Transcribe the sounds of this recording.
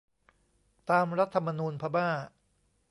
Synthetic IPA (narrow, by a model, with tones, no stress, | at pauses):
t̪aː˧mɾa˦˥t̪ʰːa˧mːa˧nuː˧npʰa˧baː˥˩